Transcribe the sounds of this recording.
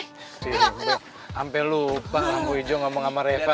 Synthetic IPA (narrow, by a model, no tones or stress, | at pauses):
ia | ampɛlupaamuid͡ʒɔŋɡamɔŋamaɾɛfa